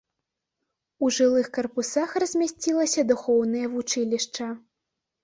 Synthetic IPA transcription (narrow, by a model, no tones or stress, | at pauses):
uʐɨlˠɨxkɐrpusaxrɐzʲmʲasʲt͡sʲilˠɐsʲɐd̪uxɔwnɐjɐvut͡ʂɨlʲiʂt͡ʂɐ